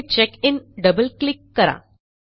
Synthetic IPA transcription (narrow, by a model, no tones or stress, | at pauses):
t͡ɕekinɖəbəlklikːəɾa̰